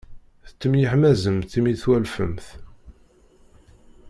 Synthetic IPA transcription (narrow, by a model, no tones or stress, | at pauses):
θə̥t͡sːəmjəħmæzəmθimiθwælfə̰mθ